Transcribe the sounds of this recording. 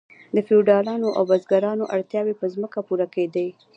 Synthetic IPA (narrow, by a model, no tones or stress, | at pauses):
d̪əfeuɖɑlɑnoʔa̰wbazɡaɾɑnoʔaɽt̪jɑwepəzməkapuɾaked̪aj